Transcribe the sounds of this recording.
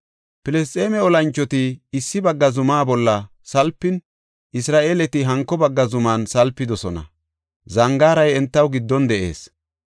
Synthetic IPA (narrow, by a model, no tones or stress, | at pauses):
pɪlɛs̬t̪ʼːeːmɛɔlɐnt͡ʃːɔt̪ɪːsːɪbɐɡːɐzʊmaːbɔlːɐ | sɐlpːɪn | ʔɪsɾaːʔeːlɛt̪ɪɦɐŋkːɔbɐɡːɐzʊmaːnsɐlpːɪd̪ɔsɔnɐ̰ | zɐŋɡaːɾɐjɛnt̪ːɐwɡɪd̪ːɔnd̪ɛʔe̞̰ːs